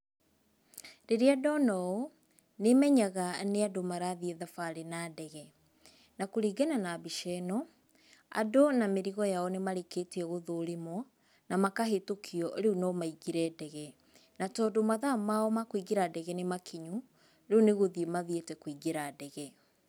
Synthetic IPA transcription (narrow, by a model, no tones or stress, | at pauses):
ɾeɾeadɔnɔo | nemɛɲaɣaneadomaɾaðieðafaɾenadɛɣɛ | nakoɾiɡɛnanabiʃɛnɔ | a̰donameɾiɣɔjaɔnemaɾeketeɛɣoðoɾemwɔ | namakaɦetokʰiɔɾeunɔmaiɡiɾɛdɛɣɛ | natɔdomaðamaɔmakwiɡeɾadɛɣɛnemakʰiɲu | ɾeuneɣoðiemaðietɛkwiɡeɾadɛɣɛ